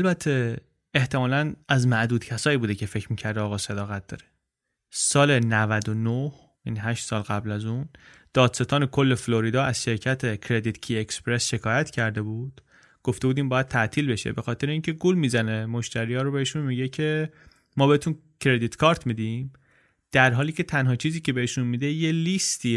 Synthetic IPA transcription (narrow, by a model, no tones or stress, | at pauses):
ælbæt̪ʰːe̞ | eht̪ʰe̞mɒːlænæzmæʔd̪uːd̪cʰæsɒːjibuːd̪ecʰe̞fe̞cʰɾmiːcʰæɾd̪eɒːɣɒːsed̪ɒːɣæt̪̚d̪̥ɒ̰ːɾe | sɒːle̞nævæd̪onoh | ʔḭːnɦæʃt̪sɒːlɣæblæzun | d̪̥ɒːd̪̥se̞t̪ʰɒːne̞kʰo̞lːe̞floɾid̪ɒːæz̥ʃe̞ɾcʰæt̪ʰecʰɾe̞d̪it̪cʰiekspɾesʃe̞kʰɒːjæt̪cʰæɾd̪e̞buːd̪̥ | ɡ̥oft̪e̞buːd̪iːmbɒːjæd̪̚t̪ʰæʔt̪ʰiːlbe̞ʃḛbexɒːt̪ʰe̞ɾeiːncʰe̞ɡulmiːzæne̞moʃt̪æɾijɒːɾobe̞heʃunmiɟecʰe̞ | mɒːbe̞et̪ʰun | cʰɾe̞d̪it̪kʰɒːɾt̪ʰmiːd̪im | d̪̥æɾɦɒːliːcʰe̞t̪ʰænɦɒːt͡ʃʰiːziːcʰe̞be̞heʃunmiːd̪ejelist̪iː